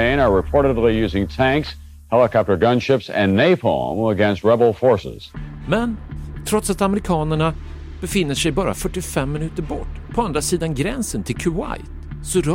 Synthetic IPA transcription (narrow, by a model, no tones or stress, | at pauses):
ẽɪ̃nə˞ɹɨpʰɔɹɾədˡlijʉzɪ̃ŋtʰæ̃ŋks | hɛlˠəkʰɑp̚tə˞ɡʌ̃nʃɪpsɨ̰̃nːeɪpʰoə̰̃məɡɛ̃nst̚ɹɛbl̩ˠfɔɹsɪ̰z̥mɛnt̪ʰɾɔt̪sat̪aməɾɪkʰɑːnəɳa | b̥ɛfɪnːəʂɛjbɑːɾa̰fœʈːɪfɛmːɪnʉ̟ːt̪əɾbɔʈːpʰɔand̪ɾasiːd̪anɡɾɛnsənt̪ʰɪlkʰʉwa̰jt̪sɔɾ